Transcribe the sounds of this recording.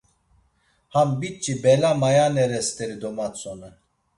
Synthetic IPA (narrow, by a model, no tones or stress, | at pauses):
hambit͡ʃʼːibɛlamajanɛɾɛst̪ʰʼɛɾid̪ɔmat͡sʰʼɔnɛ